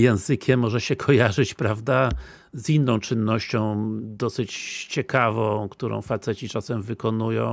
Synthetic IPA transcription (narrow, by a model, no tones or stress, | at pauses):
jɛ̃w̃zɘkʲʰɛmːɔʐɛɕɛkʰɔjaʐɘt͡ɕpɾavd̪a | zinːɔ̃w̃t͡ʂɘnːɔɕt͡ɕɔ̃w̃d̪ɔsɘt͡ɕt͡ɕɛkavɔ̃w̃kt̪uɾɔ̰̃w̃fat̪sɛt͡ɕit͡ʂasɛmvɘkɔnujɔ̰̃w̃